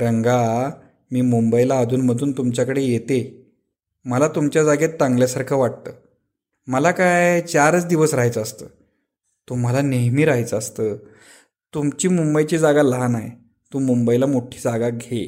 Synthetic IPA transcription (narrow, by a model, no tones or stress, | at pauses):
ɾəŋɡa | miːmumbəilaːd͡z̪ʱuːnm̤əd̪ʱuːnt̪umt͡ɕjakəɽejet̪e | məlat̪umt͡ɕjad͡zaɡet̪ːaŋɡljasaɾkʰəʋaʈ̚t̪əː | məlakajt͡ɕaɾət͡sd̪iʋəsɾaɦajt͡səːst̪əː | t̪um̤alaneɦmiːɾaɦajt͡səast̪ə | t̪umt͡ɕiːmumbəjt͡ɕiːd͡zaɡalanaj | t̪uːmumbəilamoʈʰiːd͡zaɡaɡʱe